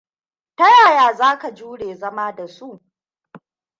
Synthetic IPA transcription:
tɐ˦jaː˨jaː˨zaː˦ka˨d͡ʒuː˦ɽeː˨zɐ˦maː˦da˨su˦ʔ

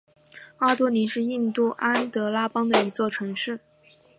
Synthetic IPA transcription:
ɑ˥t̪wɔ˥ni˧˥ʂɻ̩˥˧i˥˧nt̪u˥˩ʔa˥nt̪ɤ˧˥la˥pɑ˥ŋd̪ə˨i˧˥t͡swɔ˥˩ʈ͡ʂʰɤ˧˥ŋʂɻ̩˥˩

